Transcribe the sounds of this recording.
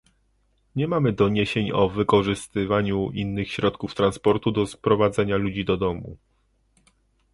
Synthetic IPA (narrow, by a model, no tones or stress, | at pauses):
ɲɛmamɘd̪ɔɲeɕeɲɔvɘkɔʐɘst̪ɘvaɲuinːɘxɕɾɔt̪kuft̪ɾanspɔɾt̪ud̪ɔspɾɔvad̪zɛɲalud͡ʑid̪ɔd̪ɔmṵ